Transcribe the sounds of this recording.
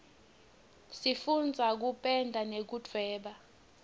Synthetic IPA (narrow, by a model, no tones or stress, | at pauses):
sifund͡zʱak̬upʼɛndʱanek̬utʰwɛːɓa